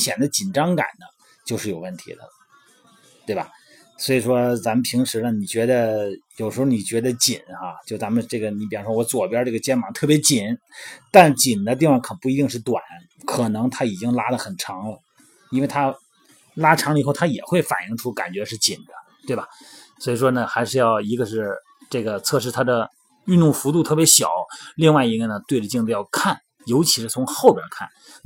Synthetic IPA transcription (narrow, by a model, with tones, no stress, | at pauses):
ɕjɛ˨˩nd̪ə˦t͡ɕi˨˩nʈ͡ʂɑ˥ŋka̰˨˩nd̪ə˦ | t͡ɕjo˥˧ʂɻ̩˥˩jo˨˩ʊwə˥˩nt̪ʰḭ˧˥d̪ə̰˧ | t̪we˥˩ɪbɐ̰˩ | swɔ˧˥i˨˩ʂwɔ˥t͡sa˧˥mə˧t̪ʰi˧˥ŋʂɻ̩˧˥nə˧˩ni˨˩t͡ɕɥɛ˧˥d̪ə˧jo˨˩ʊʂɻ̩˧˥xo˧ni˨˩t͡ɕɥɛ˧˥d̪ə˧t͡ɕi˨˩˦na˧t͡ɕjo˥˩ʊt͡sa˧˥mə˧nʈ͡ʂɤ˥˩ɡə˩ni˧˥pi˨˩ɑ˧˥˩ʂwɔ˥wɔ˧˥t͡swɔ˨˩pjɑ˥ʈ͡ʂɤ˥˩ɡə˩t͡ɕjɛ˥nmɑ˧˥ŋt̪ʰɤ˥˩pjɛ˧˥t͡ɕi˨˩˦nt̪a˥˩nt͡ɕi˨˩nd̪ə˦t̪i˥˧fwɑ˥˩ŋkʰə˨˩pu˥˩i˧˥t̪̬i˥˧ŋʂɻ̩˥˩t̪wa˨˩˦n | kʰɤ˨˩nɤ˧˥ŋt̪ʰa˥i˨˩t͡ɕi˥ŋla˥lə˨xə˨˩nʈ͡ʂʰɑ˧˥ŋlə˨ | i˥nwe˥˩ɪt̪ʰa˥ | la˥ʈ͡ʂʰɑ˧˥ŋə˨˩xʊt̪ʰa˥jɛ˨˩xwe˥˩ɪfa̰˨˩ni˥˧ŋʈ͡ʂʰu˥ka̰˨˩nt͡ɕɥɛ˧˥ʂɻ̩˥˩t͡ɕi˨˩nd̪̥ə̥˦t̪we˥˩ɪbɐ˩ | swɔ˧˥i˨˩ʂwɔ˥nə˨xa˧˥ɪʂɻ̩˥˧jɑ˥˩ʊi˧˥ɡə˧ʂɻ̩˥˧ | ʈ͡ʂɤ˥˩ɡə˩t͡sʰɤ˥˧ʂɻ̩˥˩t̪ʰa˥d̪ə˨ | y˥˧nt̪ʊ˥˩ŋfu˧˥t̪u˥˧t̪ʰɤ˥˩pjɛ˧˥ɕjɑ̰˨˩˦ʊli˥˧ŋwa˥˩ɪi˧˥ɡə˧nə˩t̪we˥˧ɪʈ͡ʂə˧t͡ɕi˥˧ŋtt͡sə˧jɑ˥˧ʊkʰa˥˩n | jo˧˥ʊt͡ɕʰi˧˥ʂɻ̩˧t͡sʰʊ˧˥ŋxo˥˩ʊpjɑ̰˧˥kʰa̰˥˩n